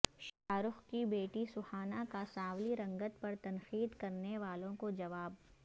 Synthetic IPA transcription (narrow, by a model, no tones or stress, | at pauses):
ʃaːɾʊxkibeːʈisʊhaːnakasaːwliɾɐ̃ŋɡət̪̚pɐɾt̪ɐnxiːd̪kɐɾneʋaːlõkod͡ʒɐʋaːb̚